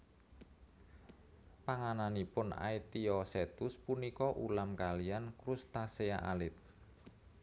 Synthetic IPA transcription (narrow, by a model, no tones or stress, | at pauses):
paŋananipʊna̰it̪iɔset̪ʊspunikɔʔṵlamkalijankɾust̪asea̰ʔa̰lɪt̪̚